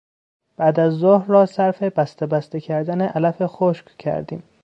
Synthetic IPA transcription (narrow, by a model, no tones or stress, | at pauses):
b̥æːd̪æzːohɾːɒːsæɾfe̞bæst̪ebæst̪ecʰæɾd̪æneʔælæfe̞xoʃccʰæ̰ɾd̪ḭːm